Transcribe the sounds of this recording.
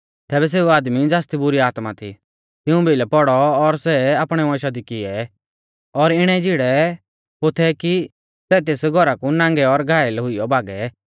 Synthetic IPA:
t̪ɛːbɛs̬eːuaːd̪mid͡zaːst̪ibʊɾiaːt̪mat̪ʰḭ | t̪ɪũbʱelɛpɔɽɔːɾsɛaːpɽ̃ɛmɔ̃ʃad̪ikɪɛ | ɔɾɪɽ̃ɛ̃d͡ʒɪɽɛ | pot̪ʰɛki | sɛːt̪̬eːsɡʱɔɾakunãːŋɡɛɔɾɡʱaːɛlɛɦʊɪjɔbʱaːɡɛ

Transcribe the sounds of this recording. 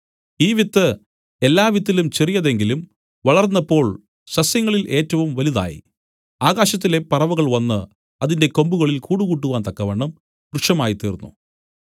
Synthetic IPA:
iːʋit̪ːɨ | e̞lːaːʋit̪̬ːilumt͡ɕerijɐðe̞ŋɡilum | ʋɐɭɐrnːɐpːo̞ːɭ | ɕɐsjɐŋːɐɭilʔe̞ːtːɐʋumʋɐliða̰ːjḭ | aːɣaːɕɐt̪̬ːile̞pɐrɐʋuɣɐɭʋɐnːɨ | ɐðinde̞ko̞mbuɣɐɭilkuːɽuɣuːʈ̬ːuʋaːnt̪ɐkːɐʋɐɳːɐm | kruʂɐmaːjit̪iːrunːṵ

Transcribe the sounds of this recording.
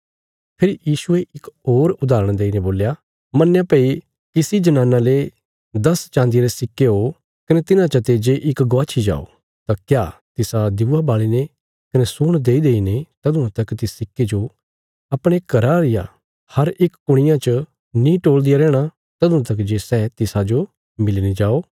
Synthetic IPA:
pʰɪɾijiːsʊeɪkoːɾʊd̪aːɾə̃ɽ̃d̪eːineboːlja | mɐnjãpeːi | kɪsid͡ʒɐnãːnale | d̪ɐst͡ʃãːnd̪ieɾesɪkːeɦo | kɐnet̪ɪnãt͡ʃɐt̪eːd͡ʒeʔɪkɡoaːt͡ʃʰid͡ʒa̰ːo̰ | t̪akjaːt̪ɪsad̪ɪʋabaːɭine | kɐnesʊːɽ̃d̪eːid̪eːinet̪ɐd̪ʊ̃ãt̪ɐkt̪ɪssɪkːed͡ʒo | ɐpɽ̃ekɐɾaɾɪja̰ | hɐɾɪkːʊɽ̃ɪjãt͡ʃə | nĩːʈoːld̪ɪjaɾɛːɽ̃a | t̪ɐd̪ʊ̃ãt̪ɐkd͡ʒeːsɛːt̪ɪsad͡ʒo | mɪlined͡ʒaːoː

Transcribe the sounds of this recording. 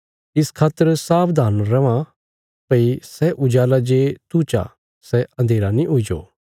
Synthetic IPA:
ɪskʰaːt̪əɾsaːpd̪aːnɾɐʋã | pəisɛʔʊd͡ʒaːlad͡ʒeːt̪uːt͡ʃa̰ | sɛɐ̃nd̪ʱeːɾanĩɦʊid͡ʒo̰ː

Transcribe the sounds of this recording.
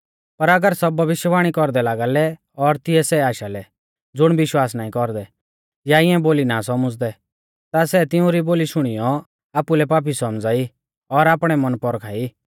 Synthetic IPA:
pɐɾɐɡəɾsɔbːʱɐʋɪʃjəʋaːɽ̃ikɔɾd̪ɛlaːɡalɛ | ɔɾt̪ɪɛsɛaːʃalɛ | d͡zʊɽ̃bɪʃwaːs̬naːĩkɔɾd̪ɛ | jaɪɛ̃boːlinasɔməd͡zd̪ɛ | t̪asɛt̪ɪũɾiboːliʃʊɽ̃ɪjɔ | aːpulɛpaːp̬isɔmd͡zaːi | ɔɾaːpɽ̃ɛmɐnpɔɾkʰaːi

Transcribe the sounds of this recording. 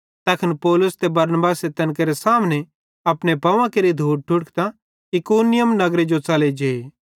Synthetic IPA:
t̪ɐkʰɪnpɔːlʊst̪ebɐɾnbaːset̪ɐnk̬eɾesaːmne | ɐpnepɐʋãkeɾid̪ʱuːʈ̚ʈʰʊɽkt̪a | ɪkoːnɪjəmnɐɡɾed͡ʒot͡saled͡ʒeːe

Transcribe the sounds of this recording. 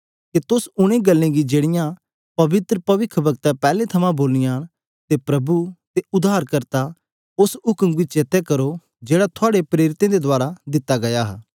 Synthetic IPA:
ket̪ʊsʊɽ̃ẽɡɐlːẽɡid͡ʒeːɽɪjã | pɐʋɪt̪ɾəpɐʋɪkʰːbɐɡt̪apɛːlet̪ʰɐmãboːlɪjaːñ | t̪epɾɐbut̪eʊd̪aːɾkɐɾt̪a | ʊsʊkəmʋit͡ʃt͡ʃeːt̪ekɐɾo | d͡ʒeːɽat̪ʰʊaːɽepɾeːɾɪt̪ẽd̪ed̪ʊaːɾad̪ɪt̪ːaɡɐjaɦ

